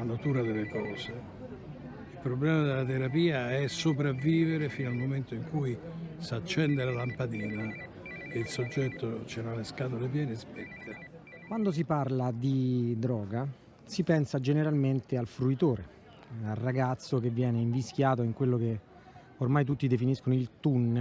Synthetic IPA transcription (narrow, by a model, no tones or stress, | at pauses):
anat̪uːɾad̪elːekɔːze | ilpɾoblɛːmad̪elːat̪eɾapiːaɛsopɾavːiːveɾefiːnalmoment̪oiŋkujsaːt͡ʃːɛnd̪elalampad̪iːna | eilsod͡ʒːɛt̪ːot͡ʃeɾalːeskaːt̪̬olep̬jɛːnespɛt̪ʰːe | kwand̪os̬iparlad̪id̪ɾɔːɡa | sipɛnsad͡ʒeneɾalment̪ealfɾuit̪oːɾḛ | alrːaɡat̪sːokevːjɛːneiɱvisk̟jaːt̪̬oiŋkwelːoke | ormajt̪̬ut̪ːid̪efiniskonoilt̪un